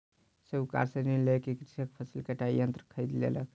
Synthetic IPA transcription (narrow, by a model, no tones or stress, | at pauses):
seuka̰ɾsẽniɾlekekɾisək̚pʰəsilkeʈaijənt̪ɾəkʰəjd̪lḛlək